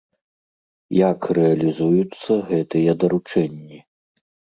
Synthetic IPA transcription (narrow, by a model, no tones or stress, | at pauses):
jakrɛɐlʲizujut̪sːɐɣɛt̪ɨjɛd̪ɐɾut͡ʂɛnʲːi